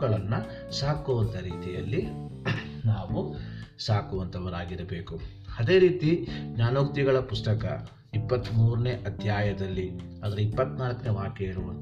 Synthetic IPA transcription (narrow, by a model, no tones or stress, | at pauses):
ɡɐɭɐnːu | saːkuʋɐnt̪ʰɐɾiːt̪ijɐ̰lːi | naːʋusaːkuʋɐnt̪ʰɐʋɐɾaːɡiɾɐbe̞ːku | ɐd̪e̞ːɾiːt̪iɡɲaːnoːk̚t̪iɡɐɭɐpusʈɐkɐ̰ | ipːɐt̪ːmuːɾɐneːʔɐt̪ʰjaːjɐd̪ɐlːiɐd̪ɐɾeipːɐt̪ːnaːlɐkːɐneːʋaːkeiɾuʋɐnt̪